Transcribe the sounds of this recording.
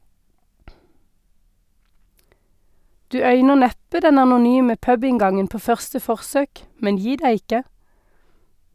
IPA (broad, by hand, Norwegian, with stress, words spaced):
ˈdʉː ˈœʏnəʁ ˈnɛpə ˈdɛn ɑnʊˈnyːmə ˈpœbɪŋˌɡɑŋən ˈpoː ˈfœʁstə ˈfɔʁsøːk ˈmɛn ˈjiː ˈdæɪ ˈɪkə